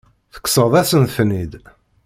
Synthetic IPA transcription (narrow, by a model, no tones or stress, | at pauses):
θə̥kːsəðˤæsənθnid̪